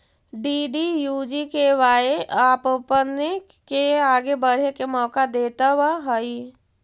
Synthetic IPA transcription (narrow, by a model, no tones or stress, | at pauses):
ɖiːɖijuːd͡ʒikeʋaːeaːppəne | keaːɡebəɽ̤ekemɔːkad̪eːt̪awaɦəi